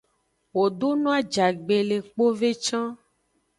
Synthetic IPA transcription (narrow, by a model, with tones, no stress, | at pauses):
wo˨ɖo˦nũ˦a˦d͡ʒa˨ɡ͡be˨le˨k͡po˦ve˦t͡ʃã˦